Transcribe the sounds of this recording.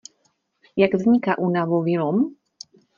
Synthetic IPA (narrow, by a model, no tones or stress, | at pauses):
jaɡvzɲikaʔunavoviɾɔm